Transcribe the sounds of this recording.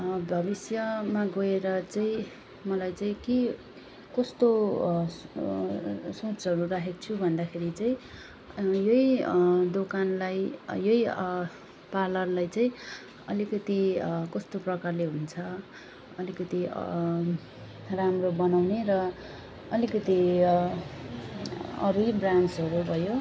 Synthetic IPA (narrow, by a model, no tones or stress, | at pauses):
bʱʌbisjʌmaɡʌeɾʌt͡saĩ | mʌlajt͡saĩke | kʌst̪o | sot͡sɦʌɾurakʰekt͡sʰubʱʌnd̪akʰeɾit͡sãĩ | jʌid̪okanlajjʌi | palʌrlajt͡saĩ | ʌlikʌt̪ikʌst̪oprʌkarleɦunt͡sʰʌ | ʌlikʌt̪ḭ | ramrobʌnawneɾʌ | ʌlikʌt̪i | ʌ̰ɾujbransʌɾubʱʌjo